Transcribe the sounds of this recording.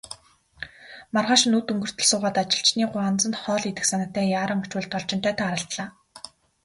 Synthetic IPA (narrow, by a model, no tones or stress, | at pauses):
marʁaːʃɪ̆nːut̪ɵŋɡɵ̆r̥t̪ʰɵ̆ɮsʊːʁaːt̪at͡ɕɪ̆ɬt͡ɕniːɢʊant͡sə̆nt̪χɔːɮit̪ɘ̆ksanăt̪æːjaːɾə̆ŋʊt͡ɕwʊːɮt̪ʰːɔɮt͡ɕɪ̆nt̪ʰæːt̪ʰaːɾə̆ɬt̪ɮaː